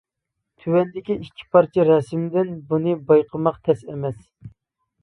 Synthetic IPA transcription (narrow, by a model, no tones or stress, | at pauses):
t̪ʰywɛnd̪ɪkʲiʔikʲʰːi̥pʰɑɾt͡ʃʰiɾɛsmd̪ɪnbunɨbɑjqʰəmɑqt̪ʰɛsɛmɛs